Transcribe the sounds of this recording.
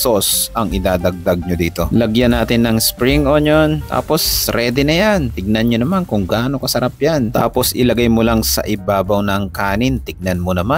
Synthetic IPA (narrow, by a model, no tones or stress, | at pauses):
sosʔɐŋɪd̪aːd̪ɐɡ̚d̪ɐɡ̚ɲod̪iːt̪o̞lɐɡjɐnaːt̪ɪnːɐŋspɾiŋʔoɲjont̪ʰa̰ːpo̞sɾɛd̪ɪnɐjant̪ɪɡ̚nɐnɲonɐmankʊŋɡaːno̞kɐsɐɾap̚jant̪a̰ːpo̞sʔɪlɐɡajmolaŋsɐ̰ʔɪbaːbɐwnɐŋkaːnɪnt̪ɪɡ̚nɐnmonɐma